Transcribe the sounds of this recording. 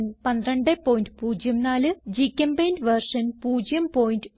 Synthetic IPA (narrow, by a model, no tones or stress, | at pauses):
npɐnd̪rɐɳɖepːoːjindɨpuːd͡ʑjɐmnaːlɨd͡ʑikʲːɐmbejndɨʋɐrʂɐnpuːd͡ʑjɐmpoːjindɨ